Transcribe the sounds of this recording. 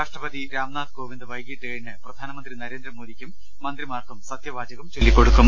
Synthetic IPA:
kaːʂʈrɐbɐd̪iɾaːmnaːt̪ɡo̞ːʋind̪ɨʋɐjɡiʈːeːjɳɨprɐd̪ʱaːnɐmɐnd̪rinɐɾe̞ːnd̪rɐmoːd̪ikʲːumː | ɐnd̪rimaːrkumsɐt̪jɐbaːd͡ʑɐɣɐmt͡ɕelːikːoɽukːum

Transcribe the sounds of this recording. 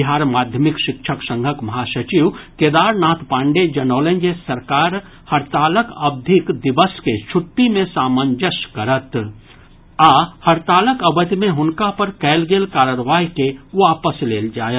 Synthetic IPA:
ɪɦaːɾmaːd̪ʱjəmɪkʃɪkʃʰəksə̃ŋɡʱəkmɐɦaːʃət͡ʃiʋkeːd̪aːɾnaːt̪pãːɳɖed͡ʒɐnoːlẽnd͡ʒesɐɾkaːɾ | hɐɾt̪aːləkɐb̚d̪ʱɪkd̪ɪbəsket͡ʃʰʊʈːimẽsaːmənd͡ʒəʃkɐɾət̪ | ahɐɾt̪aːləkəbət̪mẽɦʊnkapəɾkɛːlɡeːlkaːɾəɾʋaːjkeʋaːpəsleːld͡ʒaːjət̪

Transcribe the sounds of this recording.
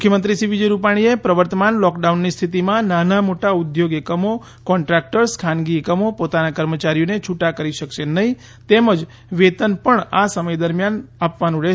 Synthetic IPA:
mʊkʰjəmənt̪ɾisiʋid͡ʒəjɾupaɽ̃iepɾəʋəɾt̪əmanlɔkɖaunːist̪ʰit̪imãnanamoʈaʊd̪joɡekəmo | kɔɳʈɾak̚ʈəɾskʰanɡiːkəmopot̪anakəɾmət͡ʃaɾijonet͡ʃʰuʈakəɾiʃəkʃenəɦĩ | t̪eməd͡ʒ | ʋet̪ənpəɳasəməjd̪əɾmjanapʋanũle

